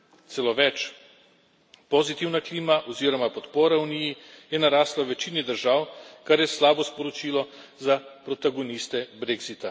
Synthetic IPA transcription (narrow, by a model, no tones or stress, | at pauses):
t̪sɛloʋɛt͡ʃ | pozit̪iwnakliːmaʔɔziɾɔmapɔt̪poːɾaunijijɛnaɾaːst̪lawʋɛt͡ʃiːnid̪əɾʒaːwkaɾjɛslaːbɔspɔɾɔt͡ʃiːlɔzapɾɔt̪aɡonist̪ɛbɾeɡzit̪a